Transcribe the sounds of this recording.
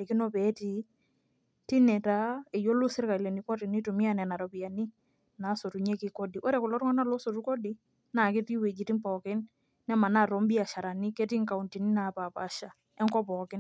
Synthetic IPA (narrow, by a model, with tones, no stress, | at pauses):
li˨ki˦nɔ˦pɛ˨˦ti˦ | ti˦nɛ˨ta˦e˨jo˦lu˦sɪ˦ɾka˨i˨le˨ni˨kɔ˦ti˨ni˦tu˨mi˦a˦˨nɛ˨na˨ɾɔ˨pi˨ja˨ni˦ | na˨˦so˨tu˨ɲe˦kɪ˦kɔ˦di˨ʔo˦ɾɛ˨kʊ˨lɔ˦ɾŋɔ˦na˦lɔ˦so˨tu˦kɔ˦di˦ | na˨kɪ˦ti˦we˨d͡ʒi˨ti˦mpɔ˨kɪ˦nː | ɛ˦ma˨na˦˨ɾɔ˨˦mbi˦a˨ʃa˨ɾa˨ni˦kɛ˦ti˦ŋka˨u˨nti˨ni˦na˨pa˨pa˨ʃa˨ | ɛ˦ŋkɔ˦pɔː˨kɪ˦n